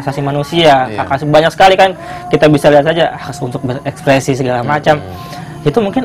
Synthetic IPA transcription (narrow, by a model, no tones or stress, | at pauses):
asasimanusiakakasbaɲak̚sə̥kalikan | kit̪abisaliat̪sad͡ʒaʔasunt̪ʊk̚bərɛkspɾesisəɡalamat͡ʃam | it̪umuŋkɪn